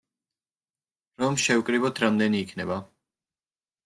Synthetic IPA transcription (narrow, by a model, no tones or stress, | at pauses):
ɾɔmʃɛwkʼɾibɔt̪ʰɾamd̪ɛniːkʰnɛba